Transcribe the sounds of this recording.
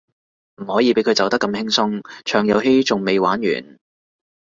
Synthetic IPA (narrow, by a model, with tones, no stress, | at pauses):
m̩˨˩hɔː˨˥jiː˨˧pe˨˥jkʰɵ˨˧ɥt͡sɐ˨wt̪ɐ˥kːɐ˧mhɪ˥ŋsʊ˥ŋt͡ʃʰœː˨˩ŋjɐ˨˧wɦe˥jt͡sʊ˨ŋme˨jwaː˨˥nɥy̰ː˨˩n